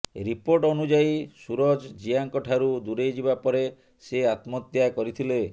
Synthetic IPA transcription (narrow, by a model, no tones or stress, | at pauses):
ɾipoɾʈɔnud͡ʒajsuɾɔd͡ʒd͡ʒijaŋkɔʈʰaɾud̪uɾejd͡ʒibapɔɾe | seat̪mɔt̪jakɔɾit̪ʰile